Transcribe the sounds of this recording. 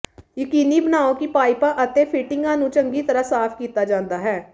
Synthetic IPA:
jəkiːniːbənaːõːkiːpaːɪpaːʔət̪ẽːpʰɪʈɪŋɡãːnũːt͡ʃəŋɡiːt̪əɾəsaːpʰkiːt̪aːd͡ʒãːnd̪aːɦɛː

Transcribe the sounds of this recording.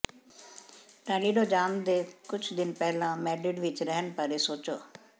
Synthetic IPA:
ʈãːliːɖoːd͡ʒaːmd̪eːkʊt͡ʃʰd̪ɪnpɛːlãːmɛːɖɪɖʋɪt͡ʃɾɛɦənpaːɾeːsoːt͡ʃo̰ː

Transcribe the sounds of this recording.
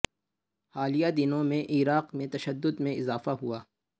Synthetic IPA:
haːlijad̪ɪnõmẽʔiːɾaːqmẽt̪ɐʃəd̪ːʊd̪mẽɪzaːfaɦuaː

